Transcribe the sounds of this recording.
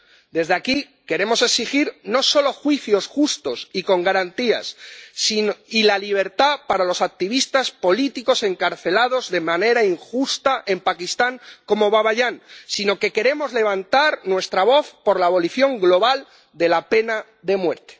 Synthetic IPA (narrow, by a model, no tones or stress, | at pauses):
d̪e̞zðeaki | ke̞ɾe̞mo̞se̞ksixiɾno̞so̞lo̞xwiθjo̞sxust̪o̞siko̞ŋɡaɾant̪ia̰sːinoilaliβ̞e̞ɾt̪apaɾalo̞sak̚t̪iβist̪aspo̞lit̪iko̞se̞ŋkaɾθe̞laðo̞zðe̞mãne̞ɾaiŋxust̪aʔe̞mpakist̪aŋko̞mo̞βaβaʝaŋsino̞ke̞ke̞ɾe̞mo̞zle̞β̞ant̪aɾnwe̞st̪ɾaβo̞θpo̞ɾlaːβo̞liθjo̞ŋɡlo̞β̞al | d̪e̞lape̞na | ðe̞mwe̞ɾt̪e̥